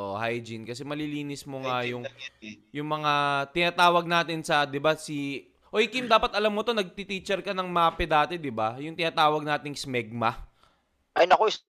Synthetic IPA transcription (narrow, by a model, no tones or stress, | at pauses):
ʔohajd͡ʒinkɐsɛmɐliliːnɪsmoŋajʊŋjʊŋmɐŋat̪ɪnaːt̪aːwɐɡ̚naːt̪ɪnsɐd̪ɪbasi | ʔojkɪmd̪aːpɐt̪̚ʔɐlamːo̞t̪o̞nɐɡ̚t̪it̪iːt͡ʃɛɾkɐnɐŋmaːpɛd̪aːt̪ɛd̪ɪbajʊŋt̪ɪnaːt̪aːwɐɡ̚naːt̪ɪŋsmɛɡ̚mɐ | ʔɐjnɐkoɪ